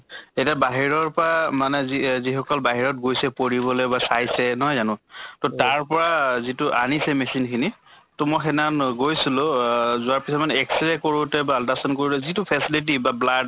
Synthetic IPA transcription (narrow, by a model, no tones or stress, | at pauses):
etiabaɦiɹɔɹpɔɹamanɛzizixɔkɔlbaɦiɹɔt̚ɡojsɛpoɹiβɔlɔbasajsɛnɔɦjzanʊ̃tɔtaɹpɔɹazitʊʔanisɛmɛsinkʰini | tʊmɔjxɛnanɡojsilʊzʊaɹpisɔtmanɛɛksɹɛkoɹʊtɛbaːltasɔnkoɹilɛzitupʰɛsilit̬ibablad